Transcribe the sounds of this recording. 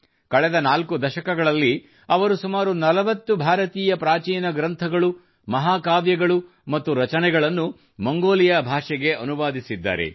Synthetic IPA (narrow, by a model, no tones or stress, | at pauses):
kɐɭɛd̪ɐnaːlkud̪ɐʃɐkɐɡɐɭɐlːi | ɐʋɐɾusumaːɾunɐlɐʋɐt̪ːubʱaːɾɐt̪iːjɐpɾaːt͡ʃiːnɐɡɾɐnt̪ʰɐɡɐɭu | mɐɦaːkaːʋjɐɡɐɭu | mɐt̪ːuɾɐt͡ʃɐnɛɡɐɭɐnːu | mɐŋɡoːlijɐbʱaːʂɛɡe̞ʔɐnuʋaːd̪isid̪ːa̰ːɾḛ